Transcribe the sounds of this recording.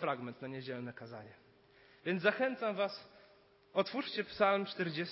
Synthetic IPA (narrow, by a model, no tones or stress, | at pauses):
fɾaɡmɛnt̪naɲed͡ʑɛlnɛkaza̰ɲɛ | vʲjɛnd̪zaxɛnt̪samvas | ɔt̪fuʂt͡ɕɛpsalmt͡ʂt̪ɛɾd͡ʑɛs